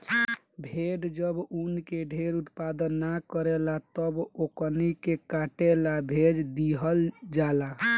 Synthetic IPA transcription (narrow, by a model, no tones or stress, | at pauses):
bʱeɖd͡ʒəbunkeɖʱeɾut̪pad̪ənːakəɾelat̪əbokənikekaʈelabʱed͡ʒd̪iɦəld͡ʒala